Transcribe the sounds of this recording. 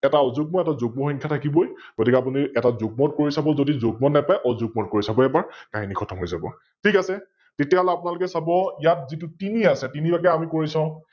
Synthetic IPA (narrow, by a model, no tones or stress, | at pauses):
ɛtaɔzuɡ̚mɔɛtazoɡ̚mɔxɔŋkʰjatʰakibojɡ̥otikɛapuniɛtazʊɡ̚mɔt̚koɹisabɔzodizoɡ̚mɔnɛpajʔɔzuɡ̚mɔt̚koɹisabɔɛbaɹkaɦinikʰɔtʰɔmɦojzabɔ̰ | tʰikasɛ | tetiaɦɔlɛapʊnalʊkɛsabɔijat̚zitutiniasɛtinibakɛamikoɹisãʊ̃